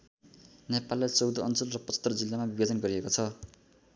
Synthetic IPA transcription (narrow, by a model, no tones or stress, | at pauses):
nepalːat͡sʌwd̪ʌʌnt͡sʌlrʌpʌt͡sʌ̥t̪rʌd͡zilːamabibed͡zʌnɡʌɾiekot͡sʰʌ